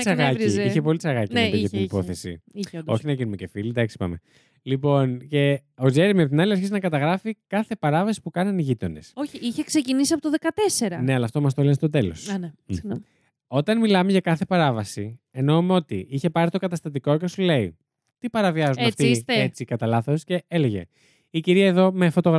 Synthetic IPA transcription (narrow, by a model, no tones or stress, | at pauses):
t͡sɐɣɐiiçepo̞lit͡sɐɣɐciɐit̪inipo̞θesḭid̪o̞̰çinɐʝinumece̞filid̪ɐksi̥pɐ̰me̞̰ | lipo̞nce̞o̞ze̞ɾimiɐpt̪inɐliɐɾçiznɐkɐt̪ɐɣɾɐfikɐθe̞pɐɾɐvɐsi̥pukɐnɐniʝit̪o̞ne̞soçiiçeksecinisiɐpot̪oðekɐt̪eseɾɐne̞ɐlɐːft̪o̞mɐs̬t̪o̞lenst̪o̞t̪elo̞̰snsiɣnom | o̞t̪ɐnmilɐme̞ʝɐkɐθe̞pɐɾɐvɐsieno̞umeo̞t̪ḭiçe̞pɐɾit̪okɐt̪ɐst̪ɐt̪iko̞cesule̞i | t̪ipɐɾɐviɐzunɐft̪it̪et͡sikɐt̪ɐlɐθo̞sce̞eleʝe̞̰ | iciɾiɐeðo̞me̞fo̞t̪o̞ɣɾ